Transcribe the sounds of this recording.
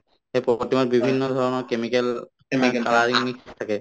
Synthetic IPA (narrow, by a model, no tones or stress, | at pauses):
xejpɹɔpɔtːimatbibʱinːɔdʱɔɹɔnɔɹkemikɛl | kaɹaɹiŋitʰakɛ